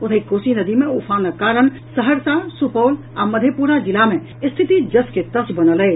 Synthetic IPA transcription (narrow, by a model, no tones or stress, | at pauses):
ot̪ʰəikosinəd̪imeupʰanəkaɾəɳ | səɦəɾsasupəwl | aməd̪ʱjepuɾad͡ʒilamẽ | st̪ʰit̪id͡ʒəsket̪əsbənəlɛ